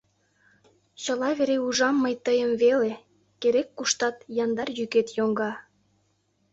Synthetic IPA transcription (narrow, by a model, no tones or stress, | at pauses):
t͡ɕəlɑβeɾeuʒɑmːəjt̪əjəmvele | keɾekːuʃt̪ɑt̪jɑnd̪ɑrjyket̪joŋɡɑ